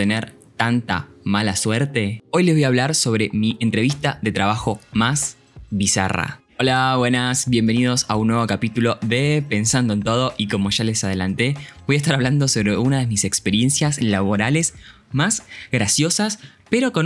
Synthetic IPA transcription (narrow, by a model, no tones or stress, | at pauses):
eneɾ | t̪ant̪a̰malaswɛɾt̪e̞o̞jlezβojaβlaɾso̞β̞ɾe̞miʔent̪ɾe̞βist̪aðe̞t̪ɾaβaxo̞mas | βisa̰ra̰ | olaβwe̞nasβje̞mbe̞niðo̞saunːweβo̞kapit̪ulo̞ðepe̞nsand̪oent̪o̞ð̞o̞ʔiko̞mo̞ʃale̞sað̞e̞lant̪e̞bo̞jaes̬t̪aɾaβland̪o̞so̞βɾeunaðemisekspeɾje̞nsjaslaβo̞ɾale̞s | mazɣɾasjo̞sas | pe̞ɾo̞kon